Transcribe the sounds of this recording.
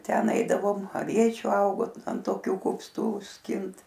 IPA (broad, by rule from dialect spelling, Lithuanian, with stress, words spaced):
ˈtʲɛn ˈɐɪdɐʋoːm ɐˈʋʲiɛt͡ʃʲuː ˈɐʊɡoː ɐnt toːˈkʲuː kʊpˈstuː ˈsʲkʲɪnt